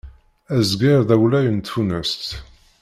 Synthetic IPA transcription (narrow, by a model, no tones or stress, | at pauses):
æzɡɪɾðæwlæjənt̪unəst̪